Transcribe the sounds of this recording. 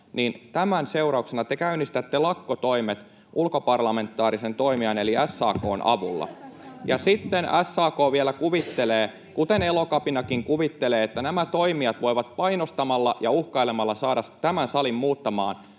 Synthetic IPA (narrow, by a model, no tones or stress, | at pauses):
nint̪æmænseurɑuksenɑt̪ekæynːist̪æt̪ːelɑkːot̪oimet̪ | ʔulkopɑrlɑme̞nt̪ːɑːɾisent̪oimiɑneliæsːɑ̰ːko̰ːnʔɑ̰ʋulːɑ̰jɑ̰sit̪ːenæsːɑːkoːʋielækuʋit̪ːeleː | kut̪enelokɑpinɑkiŋkuʋit̪ːeleːet̪ːænæmæt̪oimiɑt̪ʋoiʋɑt̪̚pɑinost̪ɑmɑlːɑjɑuhkɑilemɑlːɑsɑːɾɑst̪æmænsɑlimmuːt̪ːɑmɑːn